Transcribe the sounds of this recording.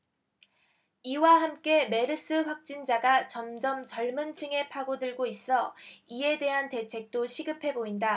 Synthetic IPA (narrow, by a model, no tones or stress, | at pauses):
iwaɦamk͈e̞me̞ɾɯs͈ɯɸwak̚t͡ɕ͈ind͡ʑaɡat͡ɕʌmd͡ʑʌmt͡ɕʌɭmɯnt͡ɕʰɯŋe̞pʰaɡodɯɭɡois͈ʌie̞de̞ɦante̞t͡ɕʰe̞k̚t͈oɕʰiɡɯpʰe̞boinda